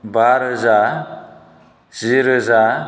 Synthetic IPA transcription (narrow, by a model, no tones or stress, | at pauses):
baɾɦəza | z̥iɾɦəza